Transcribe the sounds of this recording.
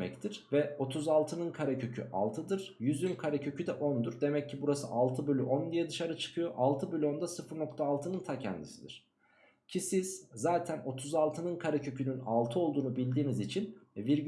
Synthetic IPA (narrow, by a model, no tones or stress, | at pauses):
mɛ̰ct̪ʰiɾ̥vɛo̞t̪ʰuzalˠt̪ʰɯnɯnkʰaɾacʰø̞cʰy̰ʔa̰lˠt̪ʰɯd̪ɯɾ̥jyzynkʰaɾacʰø̞cʰyd̪ɛʔo̞nd̪uɾd̪e̞mɛcʰːibuɾasɯ̰ʔalˠt̪ʰɯbølʲyʔond̪ijɛd̪ɯʃaɾɯt͡ʃʰɯ̥kʰɯjo̞ʔalˠt̪ʰɯbylʲyo̞nd̪asɯfɯɾno̞kt̪ʰaːlˠt̪ʰɯnɯnt̪ʰacʰɛ̰nd̪ḭsid̪ḭɾ̥ | cʰisiz̥zaːt̪ʰæno̞t̪ʰuzalˠt̪ʰɯnɯnkʰaɾacʰøcʰynyna̰lˠt̪ʰɯo̞lˠd̪uːnubilʲd̪iːnizit͡ʃʰinɛbiɾ